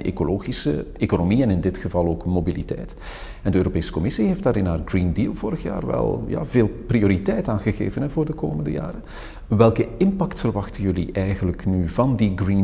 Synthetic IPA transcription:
ʔḛkoloːɣisə̰ekonomiɛnɪndɪtxəvɑlˠoːkmobilitɛ̰jt | ɛndəøːɾopeːsə̥kɔmɪsiɦeːftd̥aːɾɪnɦaːrɡriːndiːlˠvoːɾəxja̰ːrʋɛ̰lˠja̰ːveːlˠprioːɾitɛjtaːnɣəɣḛːvənɦɛvʊːrdəkoːməndə̰ja̰ːɾə | ʋɛlˠkəɪmpɑktfərʋɑxtənjɵlḭʔɛjɣənləknyvɑndiɡrin

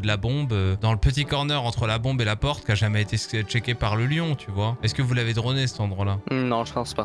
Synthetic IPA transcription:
d̪əlabɔ̃bød̪ɑ̃ləpət̪̬ikɔʁnœʁɑ̃t̪χəlabɔ̃belapɔʁt̪̚kʲaʒamɛet̪et͡ʃɛkʲepaʁləljɔ̃t̪ʰyvwaɛskəvulaved̪ʁɔnesɛ̥t̪ɑ̃d̪ʁwalanɔ̃ʒəpɑ̃spa

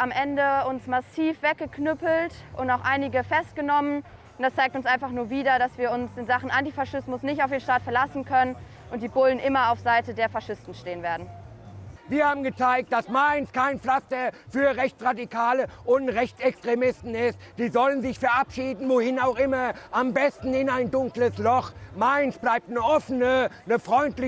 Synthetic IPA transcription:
ʔamʔɛndəʊnsmasiːfv̥ɛk̚ɡ̥əkʰnʏpl̩tʔʊntaʊxʔaɪnɪɡəfɛst̚ɡ̥ənɔmən | ʊntd̥ast͡saɪk̚tʊnsʔaɪnfaχnuːɐviːdɐdasv̥iːɐʊnsɪnzaχn̩ʔantifaʃɪsmʊsnɪçtaʊfd̥eːnʃtaːtfɛɐlasn̩kʰœnən | ʔʊnt̚d̥iːbʊlənʔɪmɐaʊfz̥aɪtədeːɐfaʃɪstn̩ʃteːənveːɐdn̩ | viːɐhaːbm̩ɡət͡saɪk̚t̚d̥asmaɪnskʰaɪnflastɐfyːɐʁɛçt͡sʁadikʰaːləʔʊntʁɛçt͡sɛkstʁ̥emɪstn̩ɪstd̥iːzɔlənzɪçfɛɐʔapʃiːdn̩voːhɪnaʊxʔɪmɐʔambɛstn̩ɪnaɪndʊŋkləslɔχmaɪnsb̥laɪp̚tnəʔɔfənə | nəfʁ̥ɔʏntlɪ

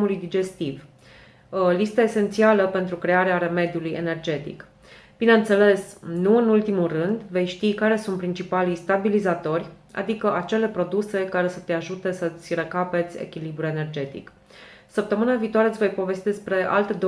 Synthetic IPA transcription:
mulujd̪id͡ʒe̞st̪iv | list̪aese̞nt̪sialəpe̞nt̪ɾukɾe̞aɾeaɾe̞me̞d̪juluje̞̰ne̞rd͡ʒe̞t̪ḭk | b̥ine̞ɨnt̪sele̞snuɨnult̪imulrɨnd̪ve̞jʃt̪ikaɾe̞sunt̪̚pɾint͡ʃipalist̪abilizat̪o̞rʲa̰d̪ikəʔat͡ʃe̞le̞pɾo̞d̪use̞kaɾe̞sət̪e̞aʒut̪e̞sət̪sʲrekape̞t̪sʲḛkʲilibɾue̞ne̞rd͡ʒe̞t̪ḭk | səp̚t̪əmɨnaviːt̪oaɾeɨvo̞jpo̞ve̞st̪id̪espɾe̞ʔa̰lt̪ed̪o

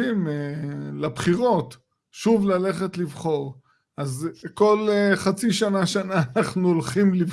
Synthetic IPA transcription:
imelabχiʁo̞t | ʃuvlale̞χet̪livχo̞ʁ | azko̞leχat͡siʃanaʃanaːnaχnuolχimliv

